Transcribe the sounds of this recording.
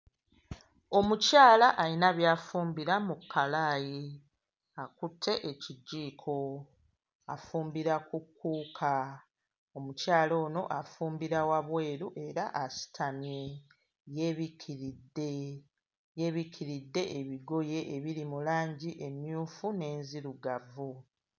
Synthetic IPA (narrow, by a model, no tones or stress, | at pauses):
o̞mucaːlaʔːinaβjaːfuːmbiɾamukʰːalaːji | akutʰːe̞ʔeciɟːiːkʰo̞ | a̰fuːmbiɾakukːuːkʰa | o̞mucaːlo̞ːno̞̰ʔafuːmbiɾawaβwe̞ːɾuʔe̞ɾaʔasi̥tʰamje̞ | je̞ːβikʰiɾidːe̞ | je̞βikiɾidːe̞ʔeβiɡo̞je̞ʔeβiɾimulaːɲɟiʔe̞mjuːfune̞ːnziɾuɡavu